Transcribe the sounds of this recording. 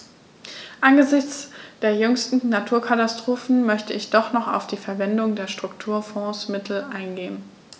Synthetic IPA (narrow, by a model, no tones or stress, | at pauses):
ʔanɡəzɪçt͡sd̥eːɐjʏŋstn̩natʰuːɐkʰatastʁ̥oːfn̩mœçtəɪçd̥ɔχnɔχa̰ʊfd̥iːfɛɐvɛndʊŋdeːɐʃtʁ̥ʊktʰuːɐfɔ̃ːsmɪtʰl̩ʔaɪnɡeːən